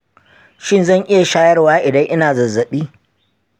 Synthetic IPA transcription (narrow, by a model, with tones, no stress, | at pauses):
ʃɪ˦nzɐ˦˨ŋʔɪ˦ja˨ʃaː˦jɐ˦rwaː˦ʔɪ˨dɐ˦ŋʔɪ˦naː˨zɐ˨zːɐ˨ɓiː˦